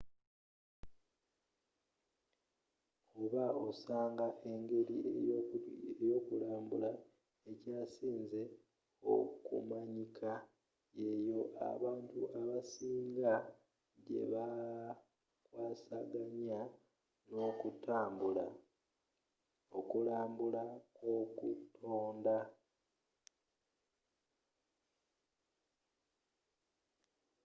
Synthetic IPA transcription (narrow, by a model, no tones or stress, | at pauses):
oβaosaːŋɡaʔe̞ŋɡe̞ɾi | ejo̞ːkulaːmbula | e̞caːsiːnze̞ | o̰kṵmaɲikʰa | je̞jo̞ʔa̰βaːntuaβasiːŋɡa | ɟe̞̰βa | kwaːsaɡaɲa | no̞ːkutaːmbula | okulaːmbulaokutʰoːnda